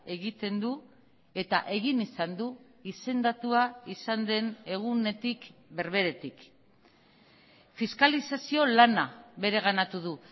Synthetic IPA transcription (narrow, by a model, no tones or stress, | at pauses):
e̞ɣit̪e̞nd̪u | e̞t̪a̰ʔe̞ɣinisand̪u | ise̞nd̪at̪uaisand̪e̞ne̞ɣ̞une̞t̪ikbe̞ɾβe̞ɾe̞t̪ik | fiskalisasio̞lanaβe̞ɾe̞ɣ̞anat̪uð̞u